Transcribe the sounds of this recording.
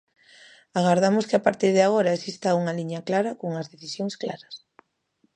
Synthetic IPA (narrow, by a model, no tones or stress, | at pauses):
aɣaɾðamʊskɪapaɾt̪iɾðɪaɣ̞oɾɐesist̪auŋɐliɲɐklaɾɐkoŋɐzðeθisjoŋsklaɾɐs